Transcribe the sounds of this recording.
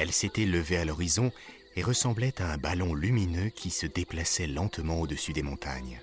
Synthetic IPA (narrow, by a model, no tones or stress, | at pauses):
ɛlset̪ɛləvealɔʁizɔ̃ | eʁəsɑ̃blɛt̪aɛ̃balɔ̃lyminøkʲisəd̪eplasɛlɑ̃t̪mɑ̃od̪əsyd̪emɔ̃t̪a̰ɲ